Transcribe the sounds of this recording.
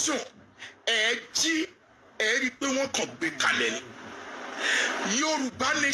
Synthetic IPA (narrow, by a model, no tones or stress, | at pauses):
sɔ̃ | ɛd͡ʒi | ɛɾik͡pew̃ɔ̃kɔ̃ɡ͡bekalɛlĩ | joɾũɡ͡banẽ